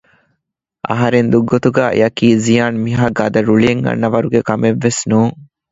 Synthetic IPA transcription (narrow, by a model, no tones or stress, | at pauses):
ʔɐ̰ɦɐɾend̪uɡːot̪uɡæːʔḛɐkiːzijaːnmiɦaːɡɐd̪ɐɾuɭieŋɡɐ̰nːɐʋɐɾuɡekɐmeʋːesnuːŋ